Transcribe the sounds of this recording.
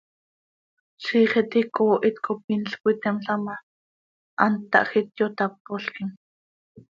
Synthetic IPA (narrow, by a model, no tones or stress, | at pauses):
siːχɛt̪ikoːʔit̪kop̚inɬkʷit̪ɛmɬama | ʔant̪ːɑ̰ʔxit̪jot̪ap̚ːoɬkim